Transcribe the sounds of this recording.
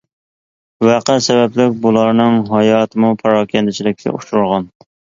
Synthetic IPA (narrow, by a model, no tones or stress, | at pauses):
wæqæsɛbɛplɪk̚ʲbulˠɑɾnɨŋɦɑjɑːt̪ʰɨmupʰɑɾɑːkʲʰɛnt̪ɪt͡ʃʰilɪk̚ʲkʲʰɛ̰ʔuʃɾuɾʁɑn